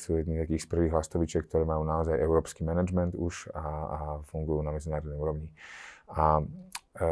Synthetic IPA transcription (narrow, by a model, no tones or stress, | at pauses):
suːjɛd̪niːmzt̪akiːxspr̩ʋiːɣɦlast̪ɔʋit͡ʃɪɛkt̪ɔɾɛːmajuːnaɔzajʔɛʊɾɔːpskimɛnad͡ʒmɛnd̪uʃafuŋɡujuːnamɛd͡zinaːɾɔd̪nɛjuːɾɔʋɲia